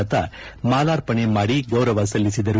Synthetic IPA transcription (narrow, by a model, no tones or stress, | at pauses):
ɐt̪ɐmaːlaːɾpɐɳemaːɽiɡɐwɾɐʋɐsɐlːisid̪ɐɾu